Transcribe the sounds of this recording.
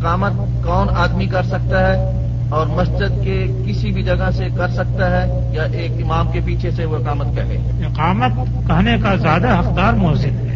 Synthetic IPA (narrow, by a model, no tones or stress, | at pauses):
qaːmət̪̚ | kɔːnaːd̪mikɐɾsɐk̚t̪aɦɛ | ɔːɾmɐsd͡ʒəd̪ke | kɪsibʱid͡ʒɐɡəɦsekɐɾsɐk̚t̪aɦɛ | jaʔeːkɪmaːmkepiːt͡ʃʰeseʋoɪqaːmət̪̚kɐɾlḛ | ɪqaːmət̪̚ | kɐɦnekazjaːd̪aɦɐqd̪aːɾmʊəzɪd̪ɦɛː